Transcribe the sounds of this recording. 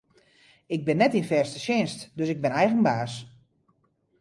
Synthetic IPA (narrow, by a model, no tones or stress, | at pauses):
ɪɡ̚bɪnːɛtinfɛrstəʃjɪnstdøsɪɡ̚bɪnɛjɣənbaːs